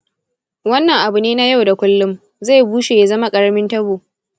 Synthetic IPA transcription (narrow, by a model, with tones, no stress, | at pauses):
wɐ˦nːɐ˨ŋʔa˨bʊ˨neː˦na˦ja˦˨wda˨kʷʊ˦lːʊ˦m | za˦˨jbuː˦ʃeː˨ja˨zɐ˦ma˦kʼɐ˦ɽɐ˦mɪ˦ntɐ˦boː˨